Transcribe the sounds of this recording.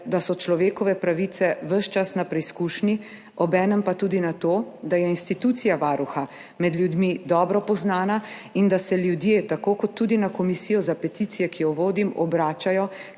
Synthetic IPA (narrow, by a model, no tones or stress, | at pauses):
d̪asɔt͡ʃlɔʋeːkɔʋɛpɾaʋit̪sɛʋəʃt͡ʃasnapɾɛiskuːʃni | ɔbɛːnəmpat̪uːd̪inat̪od̪ajɛinst̪it̪ut̪sijaʋaːɾuxa | mɛd̪ljud̪mid̪ɔːbɾɔpɔznaːnaind̪asɛljud̪jeːt̪akokɔt̪ːud̪inakɔmisijɔzapɛt̪it̪sijɛkijɔʋoːd̪imɔbɾaːt͡ʃajɔ